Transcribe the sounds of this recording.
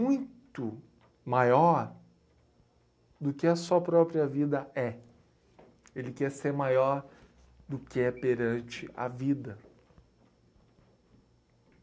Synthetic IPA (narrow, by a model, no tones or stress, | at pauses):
ũj̃t̪ʊ | majɔɾ | d̪ʊkɪɛsɐpɾɔpɾiɐvid̪ɐɛ | elɪkɛɾseɾmajɔɾ | d̪ʊkɪɛpeɾɐ̃t͡ʃɪʔɐ̰vid̪ɐ